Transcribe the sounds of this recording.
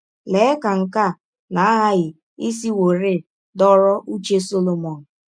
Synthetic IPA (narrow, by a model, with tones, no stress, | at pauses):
le˨˦ka˨ŋ̩˨ka˦˨ | na˨˦ɦa˦ɣɪ˨ | i˦s̬i˦wo˨ɾe˦˨ | dɔ˦ɾɔ˦ʔu˦t͡ʃe˦so˦lo˨mɔ˨n̩˨